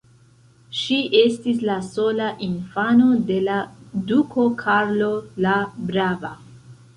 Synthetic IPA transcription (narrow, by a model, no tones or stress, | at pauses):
ʃiʔe̞stis̬laso̞laʔinfano̞de̞ladukʰo̞kʰaɾlolabɾava